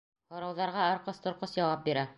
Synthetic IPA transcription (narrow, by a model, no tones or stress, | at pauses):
hŏɾɑwðɑɾʁɑɑɾqɤst̪ŏɾqɤsjɑwɑp̚biɾæ